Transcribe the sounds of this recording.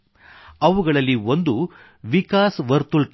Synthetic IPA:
ɐʋuɡɐɭɐlːiond̪u | ʋikaːsʋɐɾt̪ulʈ

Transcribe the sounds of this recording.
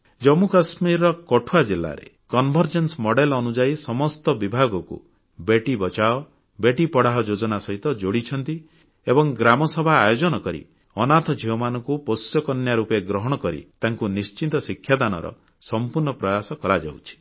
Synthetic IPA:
d͡ʒɔmukasmiɾɔkɔʈʰuad͡ʒilːa̰ɾḛ | kɔnbʱɔɾd͡ʒensɔmɔɽelɔnud͡ʒaisɔmɔst̪ɔbibʱaɡɔkṵ | beʈibɔt͡ʃaɔ | beʈipɔɽaɦɔd͡ʒod͡ʒɔnasɔɦit̪ɔd͡ʒoɽit͡ʃʰɔnt̪i | ebɔŋɡɾamɔsɔbʱaːjod͡ʒɔnɔkɔɾḭ | ɔnat̪ʰɔd͡ʒʱiɔmanɔŋkupɔsjɔkɔnjaɾupeɡɾɔɦɔɽ̃ɔkɔɾḭt̪aŋkunist͡ʃint̪ɔsikʰːjad̪anɔ̰ɾɔ̰ | sɔmpuɾɳɔpɾɔjasɔkɔɾad͡ʒa̰wt͡ʃʰi̥

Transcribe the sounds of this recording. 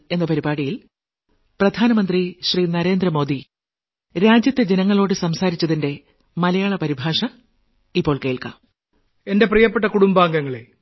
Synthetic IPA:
e̞nːɐpɐɾibaːɽijil | prɐd̪ʱaːnɐmɐnd̪riɕriːnɐɾe̞ːnd̪rɐmo̞ːd̪i | ɾaːd͡ʑjɐt̪ːe̞d͡ʑe̞nɐŋːɐɭo̞ːɽɨsɐmsaːɾit͡ɕːɐðinde̞ | mɐlɐjaːɭɐpɐɾibʱaːʂɐ | ipːo̞ːɭke̞ːɭka̰m | e̞nde̞prijɐpːeʈ̬ːɐkuɽumbaːŋɡɐŋːɐɭe

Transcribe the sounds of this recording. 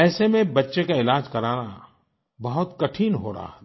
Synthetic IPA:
ɛːsemẽbɐtːʃekaɪlaːd͡ʒkɐɾaːna | bɐɦʊt̪kɐʈʰiːnɦo̰ɾa̰ɦ

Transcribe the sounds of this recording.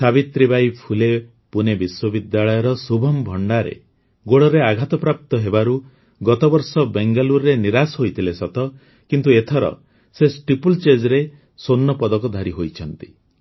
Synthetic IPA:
sabit̪ɾibajpʰule | punebiswɔbid̪jaɭɔjɔɾɔsubʱɔmbʱɔɳɖaɾḛ | ɡoɽɔɾeaɡʱat̪ɔpɾap̚t̪ɔɦebaɾu | ɡɔt̪ɔbɔɾsɔbeŋɡaluɾɾeniɾasɦojt̪ʰilesɔt̪ɔ | kint̪uet̪ʰɔɾɔ̰ | sesʈipult͡ʃed͡ʒɾe | sonːɔpɔd̪ɔkɔd̪ʱaɾiɦojt͡ʃʰɔnt̪i̥

